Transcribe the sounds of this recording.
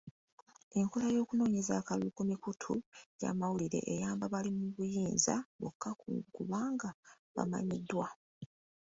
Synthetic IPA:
e̞ŋko̞lajo̞ːkuno̞ːɲe̞zakalukomikutʰuja̰ːmawuliɾe̞̰ʔejaːmbaβalimuβujiːnza̰βokːakuβaːŋɡa | βa̰ma̰ɲidːwa

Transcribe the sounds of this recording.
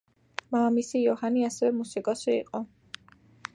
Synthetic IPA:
mamisijɔhaniasɛvɛmusikʼɔsiḭqʼɔ

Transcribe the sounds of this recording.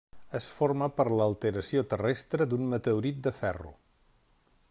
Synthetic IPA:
əsfoɾməpəɾləːlˠt̪əɾəsiot̪ərɛst̪ɾəd̪unmət̪əuɾit̪̚d̪əfɛrṵ

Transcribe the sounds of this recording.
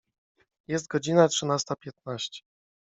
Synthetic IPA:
jɛst̪̚ɡɔd͡ʑinatʂɘnast̪apʲjɛt̪̚naɕt͡ɕɛ̥

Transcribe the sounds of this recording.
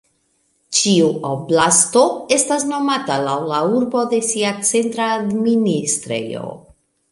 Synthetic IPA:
t͡ʃiuoblasto̞e̞stasno̞matalawlauɾbo̞d̪e̞siat͡se̞ntɾaːd̪ministɾḛjo̰

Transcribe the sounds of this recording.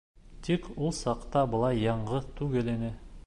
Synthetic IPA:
t̪ikulˠsɑqt̪ɑbɤ̆lˠɑjːɑɴʁɤt̪ʰʉɡɘ̆lɘ̆nɘ

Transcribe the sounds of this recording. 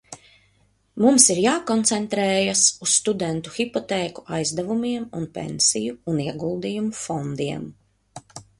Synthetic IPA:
mumsiɾjaːkɔnt̪sɛnt̪ɾɛːjasusːt̪ud̪ɛnt̪uxʲipɔt̪ɛːku̥ajzd̪ɛvumiɛmṵnpʲḛnsijuːniɛɡulˠd̪ijumufɔnd̪iɛm

